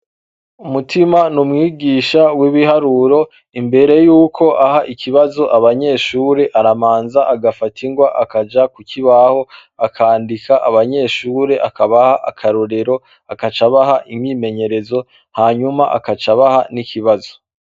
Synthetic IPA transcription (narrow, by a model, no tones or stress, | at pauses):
umutimanumŋiːɡiːʃawiβiɦaɾuɾo̞ | imbe̞ɾe̞juːkʰo̞ʔahaʔiciβazo̞ʔaβaɲe̞ːʃuːɾe̞ʔaɾamaːnzaʔaɡafatʰiŋɡwaʔakad͡ʒakuciβaho̞ | akʰaːndikaʔaβaɲe̞ːʃuːɾe̞ʔakaβahaʔa̰kʰaɾoɾe̞ɾo̞ | akat͡ʃaβaɦaʔimɲiːme̞ɲe̞ɾe̞zo̞ | haːɲumaʔa̰kat͡ʃaβahanikiβazo̥